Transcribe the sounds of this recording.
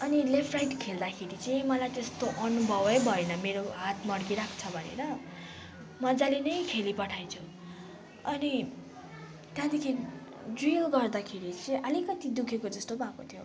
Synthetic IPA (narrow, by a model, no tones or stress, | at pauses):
ʌnilepʰrajʈkʰeld̪akʰeɾit͡sʌĩmʌlajt̪est̪oʔʌnubʱʌbʌjbʱʌenʌmeɾoɦat̪ʰmʌɽkiɾakʰt͡sʰʌbʱʌnḛɾʌ | mʌd͡zalenʌjkʰelipʌʈʰajt͡sʰu | ʌni | t̪jãd̪ekʰi | d͡zilɡʌrd̪akʰeɾit͡sʌĩʔʌlikʌt̪id̪ukʰekod͡zʌst̪obʱakot̪ʰjo